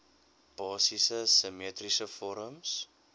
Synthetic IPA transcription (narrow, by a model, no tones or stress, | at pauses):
b̥ɑːsisəsəmiətrisəfɔɾəms